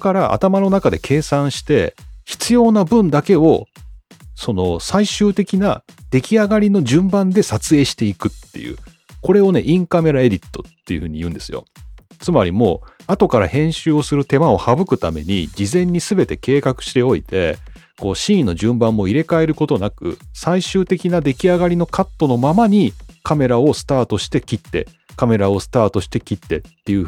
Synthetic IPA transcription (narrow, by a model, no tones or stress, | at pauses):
okaɾaʔa̰t̪amano̞nakad̪e̞kʰe̞ːsãɰ̃ɕi̥t̪e̞çi̥t͡sɨjo̞ːnabɯ̟̃nd̪ake̞o̞ | so̞no̞saiɕɨːt̪e̞kʲina | d̪̥e̞kʲiaɡaɾʲino̞ʑɨ̃mbãnd̪e̞sat͡sɨe̞ːɕi̥t̪e̞ikɯ̟t̪ːe̞̰jɯ̰ː | ko̞ɾe̞o̞ne̞ʔĩŋkame̞ɾae̞d̪ʲit̪ːo̞̥t̪ːe̞jɯ̟hɯ̟ːɲ̟ijɯ̟̃ːnd̪e̞sɨjo̞̰ | t͡sɨmaɾʲimo̞̰ːat̪o̞kaɾa̰hẽ̞ɰ̃ɕɨːo̞sɨɾɯ̟t̪e̞mao̞habɯ̟kɯ̟t̪ame̞̰ɲ̟id͡ʑizẽ̞ɲ̟ːisɨbe̞t̪e̞ke̞ːkakɯ̟̥ɕi̥t̪e̞o̞it̪e̞ | ko̞ːɕĩːnːo̞ʑɨ̃mbãmːo̞iɾe̞kae̞ɾɯ̟ko̞t̪o̞nakɯ̟̰saiɕɨːt̪e̞kʲinad̪e̞kʲiaɡaɾʲino̞kat̪ːo̞no̞mamaɲ̟ikame̞ɾao̞sɨ̥t̪aːt̪o̞ɕi̥t̪e̞kʲit̪ːe̞̰ | kame̞ɾao̞sɨ̥t̪aːt̪o̞ɕi̥t̪e̞kʲit̪ːe̞̰t̪ːe̞jɯ̟